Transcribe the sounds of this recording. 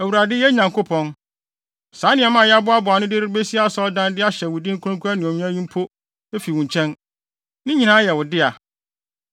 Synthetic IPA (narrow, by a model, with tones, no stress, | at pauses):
æ˨wu˨ɾa˨dɪ˦jɛ˦ɲã˨ŋkʰo˦pʰɔ̃˦n | sã˨˦nɪ̃˨ɛ˨mã˦˨jɛ˦a˦bʊ˦a˦bʊ˨a˨nʊ̃˦dɪ˦ɾɪ˦be˦si˦a˦sɔ˦ɔ˦dã˦ndɪ˦a˦ɕɛ˨wʊ˨dĩ˦ŋ̩˦kʰʊ̃˦kʰu˦a˦nɪ̃˨ɔ̃˨ɲũ˦ã˦ɲĩ˦m˦pʰo˦ | e˦fi˨wʊ̃˨ɲ˨t͡ɕʰɛ̃˦n | nɪ̃˦ɲĩ˨nã˦jɛ˨wʊ˨dɪ˦a˨